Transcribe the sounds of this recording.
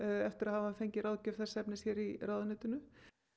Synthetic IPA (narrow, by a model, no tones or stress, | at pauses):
ɛft̪ɪɾaðhavafejɲcɪɾawðcœfθɛsɛpnɪsçjɛɾirawðanɪːt̪ʏnʏ